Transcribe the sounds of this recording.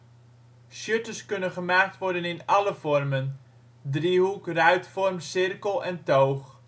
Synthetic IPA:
ʃjøtəskɵnənχəmaːk̚tʋɔɹdənɪnɑləfɔrmən | drihukrœɥtfɔrmsɪrkəlˠɛntoːχ

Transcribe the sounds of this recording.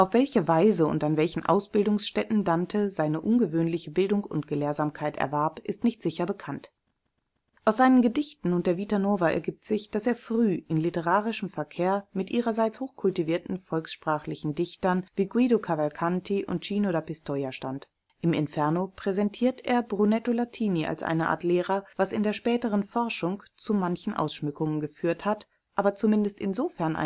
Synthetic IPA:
ʔaʊfv̥ɛlçəvaɪzəʊ̰ntanvɛlçn̩ʔa̰ʊsb̥ɪldʊŋsʃtɛtn̩dantʰəzaɪnəʔʊnɡəvøːnlɪçəbɪldʊŋkʊ̰ntɡ̥əleːɐzaːmkʰaɪtɛ̰ɐvɛɐpʔɪstnɪçtz̥ɪçɐbəkʰant | ʔaʊsz̥aɪnənɡədɪçtn̩ʊnt̚d̥eːɐvitanoːvaʔɛ̰ɐɡiːp̚tz̥ɪçd̥aseːɐfʁ̥yːɪnlɪtəʁ̞aːʁ̞ɪʃəmfɛɐkʰeːɐmɪtʔiːʁɐzaɪt͡shoːxkʰʊltiviːɐtn̩fɔlksʃpʁ̥aːχlɪçn̩dɪçtɐnviːɡwiːɾokʰavalkʰantʰiʔʊ̰nt̚t͡ʃiːnodapɪstʰoːjaʃtant | ʔɪmɪ̰nfɛɐnopʁ̥ɛzɛntʰiːɐteːɐbʁunɛtolatʰiːniʔa̰lsʔa̰ɪnəʔa̰ːɐtleːʁɐv̥asɪ̰ndeːɐʃpɛːtəʁənfɔɐʃʊŋt͡sumançn̩ʔa̰ʊsʃmʏkʊŋənɡəfyːɐthat | ʔaːbɐt͡sumɪndəstɪ̰nzoːfɛɐnʔa̰

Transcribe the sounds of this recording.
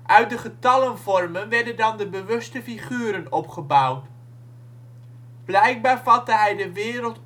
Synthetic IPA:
ʔœɥt̚dəχətɑlənvɔrmənʋɛɹdəndɑndəbəʋɵstəfiχyːɾənɔpχəbawt | b̥lɛjk̚baːɹvɑtəɦɛjdəʋɪːɾəlˠt

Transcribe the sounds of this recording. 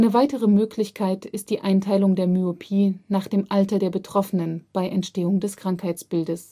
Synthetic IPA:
ʔaɪnəvaɪtəʁ̞əmøːklɪçkʰaɪtɪst̚d̥iːʔaɪntʰaɪlʊŋdeːɐmyopʰiːnaːχd̥eːmʔaltɐdeːɐbətʁ̥ɔfənənb̥aɪʔɛntʃteːʊŋdɛskʁ̥aŋkhaɪt͡sb̥ɪldəs

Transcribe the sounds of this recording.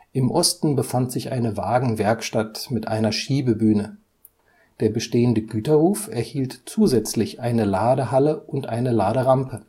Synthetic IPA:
ʔɪmʔɔstn̩bəfantz̥ɪçʔa̰ɪnəvaːɡŋ̩vɛɐkʃtatmɪtʔa̰ɪnɐʃiːbəbyːnə | d̥eːɐbəʃteːəndəɡyːtɐʁuːfɛɐhiːltt͡suːzɛt͡slɪçʔaɪnəlaːdəɦaləʔʊntʔaɪnəlaːɾəʁampʰə

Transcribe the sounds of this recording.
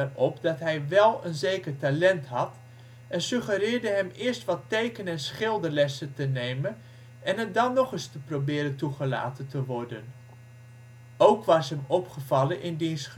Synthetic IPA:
rɔpdɑtɦɛjʋɛlˠənzejkəɹtalɛntɦɑt | ɛnsɵχəɾɪːɹdəɦɛmɪːɹstʋɑtejkənɛnsχɪlˠdəɹlɛsətənejmən | ɛnɦət̚dɑnːɔχɪstəprobɪːɾəntuχəla̰ːtəntəʋɔɹdən | owkʋɑsɦɛmɔpχəvɑlənʔɪndins

